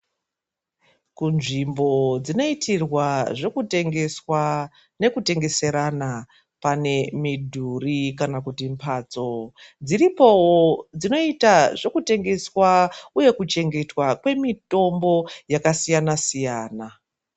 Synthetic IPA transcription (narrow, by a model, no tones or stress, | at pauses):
kunʐimbo̞d͡zino̞itʰirwaʐokuteŋɡeswa | ne̞kute̞ŋɡe̞se̞ɾana | pane̞midʱurikanakutimpʰaːt͡so̞d͡ziripo̞wod͡zino̞itaʐo̞kute̞ŋɡe̞swauje̞kut͡ʃe̞ŋɡe̞twakwe̞mito̞mbo̞jakasijanasijaːna